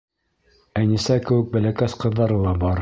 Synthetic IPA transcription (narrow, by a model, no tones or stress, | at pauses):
ænisækɘ̆wɘ̆k̚bælækæsqɤ̆ðːɑɾɤlˠɑbɑɾ